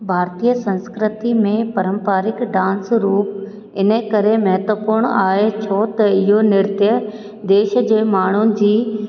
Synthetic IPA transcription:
bʱaːɾt̪ijəsɐ̃nskɾɪt̪imẽpɐɾə̃mpaːɾɪkɖãːnsɾuːp | ɪnəkɐɾemɐɦət̪wəpʊɾɽ̃aːet͡ɕʰot̪ɐɪɦonɪɾt̪jə | d̪eːʃd͡ʑeːmaːɳ̤ʊnɪ̆d͡ʑiː

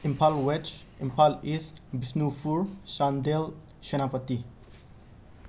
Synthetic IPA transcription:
ĩmpʰalwɛt͡ʃĩmpʰalisbisnufuɹsãnd̪el | ʃənapət̪i

